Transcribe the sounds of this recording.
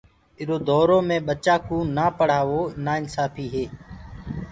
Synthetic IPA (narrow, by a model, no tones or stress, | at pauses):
ɪɾoːd̪ʱɔːɾõːmẽːɓət͡ʃaːkũːnaːpəɽ̤aːʋoːnaːɪnsaːpʰiːɦeː